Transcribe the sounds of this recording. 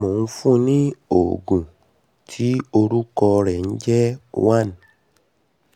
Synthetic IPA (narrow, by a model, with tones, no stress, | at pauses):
mũ˨n̩˦fũ˦nĩ˦o̰˨ɡũ˨ | tʰi˦o˧ɾu˦kɔ˧ɾɛ˨n̩˦d͡ʒɛ˦wa˦˨n˨